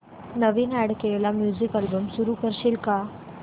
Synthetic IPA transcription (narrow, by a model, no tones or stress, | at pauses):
nəʋinaɽkelamjuːzikalbəmsuɾukəɾɕilka